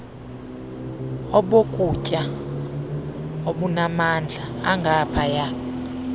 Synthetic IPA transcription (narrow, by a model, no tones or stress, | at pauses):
ɔɓokʼucʼa | oɓunamand͡ɮʱaːŋɡʱapʰaja